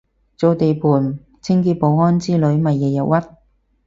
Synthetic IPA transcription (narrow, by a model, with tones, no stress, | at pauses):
t͡so˨˧wt̪e˨jpʰuː˨˩n | t͡sʰɪ˥ŋkiː˧t̚po˨˧wŋɔː˥nt͡siː˥lɵ˨˥ɥmɐ˨jːɛː˨˩jɐ˨˩wɐ˥t̚